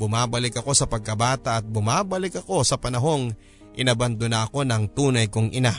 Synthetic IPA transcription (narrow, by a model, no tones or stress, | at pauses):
bʊmaːbɐlɪkɐko̞sɐpɐɡ̚kɐbaːt̪ɐʔɐt̪̚bʊmaːbɐlɪkɐko̞sɐpɐnɐɦo̞ŋ | ʔɪnabɐnd̪onɐʔɐko̞nɐŋt̪uːnɐjkʊŋʔɪna